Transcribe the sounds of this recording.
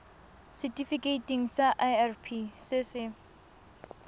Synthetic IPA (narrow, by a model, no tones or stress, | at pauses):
sɛtifiketiŋsaʔajarpʰisesɪ